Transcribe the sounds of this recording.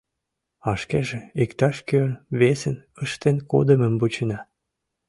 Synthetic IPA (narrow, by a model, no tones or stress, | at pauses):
ɑʃkeʒeikt̪ɑʃkølβesənəʃt̪enko̰d̪əməmbut͡ɕənɑ